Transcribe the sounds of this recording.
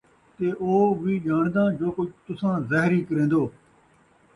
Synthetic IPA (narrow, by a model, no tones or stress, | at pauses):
t̪eːʔoːʋiːʄaːɳd̪ãːd͡ʒoːkʊd͡ʒʱt̪ʊsãːzɛːɦɾiːkəɾẽːnd̪oː